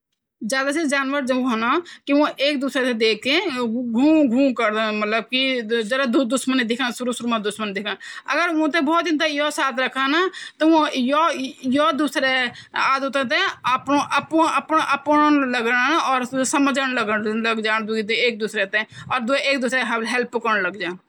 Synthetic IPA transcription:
d͡ʒjaːd̪ased͡ʒaːnʋəɾd͡ʒəb̃ɦonakiʋõʔeːk̚d̪uːsɾet̪ẽd̪eːk̚ʰt̪ẽɡʱũːɡʱũːkəɾd̪ẽmɐt̪ləb̚kid͡ʒɐɾad̪ud̪ʊʃmənid̪ɪkʰnãsʊɾusʊɾmãd̪ʊsmənd̪ɪkʰãə̰ɡəɾõt̪ẽbɔːt̪ɪ̃nd̪ajoːsaːt̪ʰɾəkʰanat̪ɔʋõjojod̪uːsɾeaːd̪ut̪ẽt̪̬ẽəpnõʔəpʔəpnʔəpnləɡəɽɔːɾsəməd͡ʒəɽ̃ləɡəɽləɡd͡ʒaːnd̪ueːk̚d̪uːsɾet̪ẽɔːɾd̪ueeːkd̪uːsɾeɦəblɦɛlpkəɽləɡd͡ʒaː

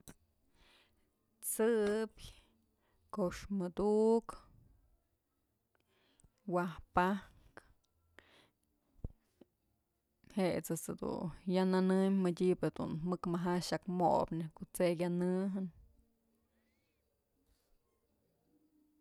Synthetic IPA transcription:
t͡sɨp | koʂmɨd̪uʔk | wahpah | k | het͡sɨt͡sɨd̪ṵjananɨmmədʲibed̪ṵnmɨkmaɦaʃakmo̰pnehkot͡sekʲjanɨɦɨn

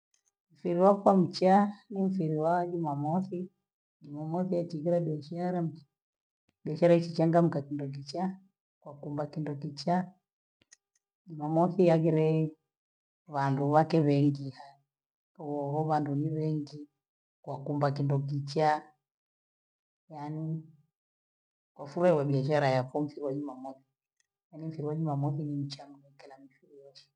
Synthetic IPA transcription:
m̩fiɾiwakwam̩t͡ʃaniɱ̩fiɾiwad͡ʒumamɔθi | d͡ʒumamɔθijat͡ʃiɡiɾabɔʃaɾam̩t͡ʃa | ɗɛʃaɾait͡ʃit͡ʃaŋɡam̩kakindɔk̬it͡ʃa | kwakumbakindɔkit͡ʃa | d͡ʒumamɔθijaɡiɾɛi | βanduβakɛβɛŋɡiha | ɔhɔβanduniβɛŋɡi | kwakumbakindɔk̬it͡ʃa | jani | kwafuɾaiwaɓiaʃaɾajafɔm̩fiɾiwaɲumamɔθi̥ | janiɱ̩fiɾiwaɲumamɔθinim̩t͡ʃamunɛkɛlamifiɾijɔʃɛ̥

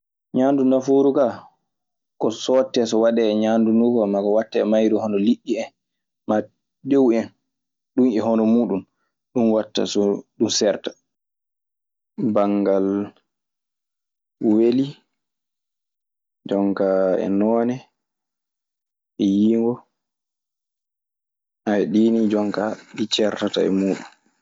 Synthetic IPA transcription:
ɲaːndundafoɾuka | kɔsɔtːɛsɔwaɗɛːɲaːndunukɔmakɔwatːɛːmajɾuhɔnɔliɗːiɛn | ma | dewɛn | ɗunɛɦɔnɔmuːɗum | ɗunwatːa̰sɔɗunsɛɾtḁ | baŋɡal | weli | d͡ʒɔŋkaɛ̰nɔːnɛ | ʔɛjiːŋɡɔ | ʔawɛɗiːnid͡ʒɔŋkaɗit͡ʃɛɾtata̰ɛ̰muːɗum

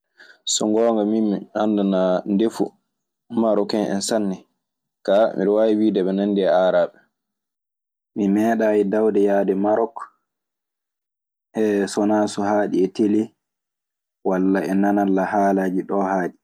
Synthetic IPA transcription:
sɔŋɡɔːŋɡamimːiandanandefṵ | maɾɔkɛnʔɛ̰nsanːɛ | kamḭɗɔwawiwidɛɓɛnandiɛaɾaːɓɛ | mimɛːɗajidawdɛjadɛmaɾɔk | ʔɛsɔnaːsɔhaːɗiɛteli | walːaɛnanalːahaːlad͡ʒiɗɔːhaːɗi

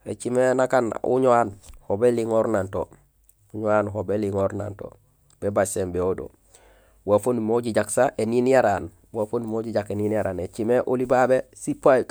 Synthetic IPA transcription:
ḛt͡ʃimenakanṵɲoanhobeliŋoɾnanto | uɲoanɦobeliŋoɾna̰nto̰ | b̥ebasembeodo̰ | wafonumoɟiɟaksaʔeninjaɾan | wafonumoɟiɟakeninjaɾaːnet͡ʃimeʔulibabesipaj

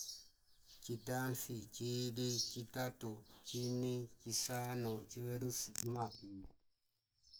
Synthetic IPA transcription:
t͡ʃitanfit͡ʃidit͡ʃitatut͡ʃinit͡ʃisanut͡ʃieɾusma

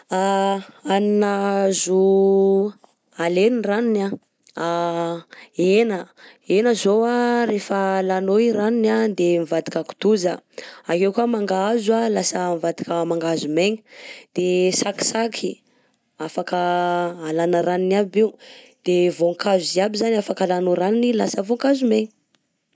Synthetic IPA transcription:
aaninazu | aleniranina | a | enə | enəzowaɾefəlanoiɾaninad̪emivad̪ikəku̥d̪uzə̰akewkuamaŋɡaazualasəmivad̪ikəmaŋɡazumeɲə̥d̪̥esaki̥sakʰi | afakəalanəɾaninabew | d̪̥evoŋkazuziabizanafakalanoɾaninilasəvoŋkazumeɲə

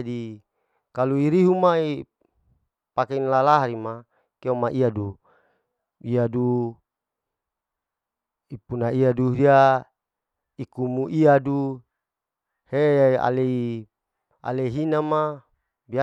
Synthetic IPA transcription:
di | kaluiɾiɦumai | pakenlalaɦaɾima | keomaʔiadu | iadu | ipunaiaduɾia | ikumuʔiadu | hea̰lei | a̰leiɦinama | bia

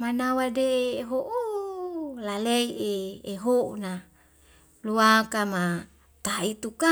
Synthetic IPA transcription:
manawadeɦoʔu | lalɛieːɦona | luakama | t̪ait̪uka

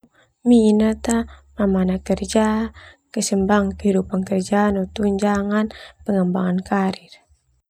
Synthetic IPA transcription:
minət̪amamanakərd͡ʒakəsəmbaŋkəɦidupankərd͡ʒaːnut̪uɲd͡ʒaŋanpəŋəmbaŋankaɾir

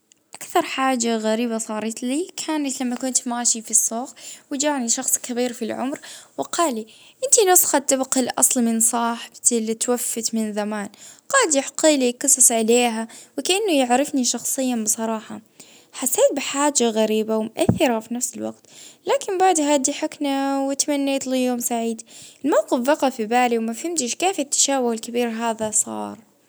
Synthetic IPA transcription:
ʔakθɑɾˤħaːd͡ʒaɣaɾiːbasˤɑːɾˤɑt̪liːkʰaːnat̪lamːakʊnt̪maːʃifisːoːxwɪd͡ʒaːʕniʃɑxsˤkabiːɾfilʕʊ̰mɾwɪqʰɑːli | ʔɪnt̪inʊsˤxat̪ːɪbqilʔɑ̰sˤlmɪnsˤɑːħɪbt̪ɪlːit̪wafːɪt̪mɪnzamaːnqɑːd̪jɪħqiːliqɨsˤɨsˤʕaleːɦawɪkaʔanːʊjɪʕɾɪfniʃɑxsˤɨjːabɨsˤɑɾˤɑːħɑ | ħasːeːt̪̚bɪħaːd͡ʒaɣaɾiːbawɪmʊʔaθːɪɾafinafsɪlwa̰ɡt̪laːkɪmbaʕd̪haːd̪iħʊknawɪt̪amanːeːt̪liːjoːmsaʕiːd̪ɪlmawqɪfbɑqɑfibaːliwmafhɪmt̪ɪʃkeːfɪt̪ːḁʃaːbʊhɪlkɪbiːɾɦaːðasˤɑ̰ːɾˤ

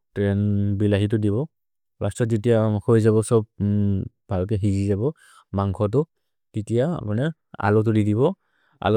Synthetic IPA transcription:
tɹɛnbilaɦit̬ʊdiβɔ | ɹastɔtzitijaxojzaβɔsɔb̚ | bʱalkɛɦizizabɔ | maŋkʰɔt̬ʊ | kitijaa̰panɛ | a̰lɔt̬ʊdidiβɔ | a̰l

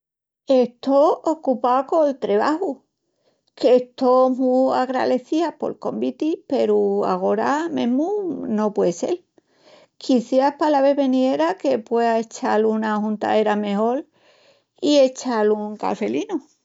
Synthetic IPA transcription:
e̞ht̪o̞okupaoko̞lt̪ɾe̞βahu | kest̪omuaɣɾa̰ðe̞θiapo̞̰lko̞̰mbit̪ipe̞ɾua̰ɣ̞o̞ɾamḛ̃ɦmuno̞pwe̞ðse̞̰l | kʰiθjapalaβe̞βe̞nie̞ɾake̞pwe̞ae̞t͡ʃalunahunt̪a̰e̞ɾame̞ɦo̞l | ie̞t͡ʃaluŋka̰fe̞linu

